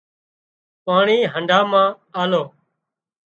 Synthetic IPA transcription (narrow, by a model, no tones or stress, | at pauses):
paːɳiːɦəɳɖʱaːmãː | aːloː